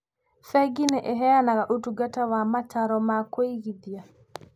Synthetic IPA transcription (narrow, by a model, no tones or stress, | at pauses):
fɛɡinɛʔɛɦɛjanaɣaʔutuɡatawamataɾɔmakoiɣid̪ija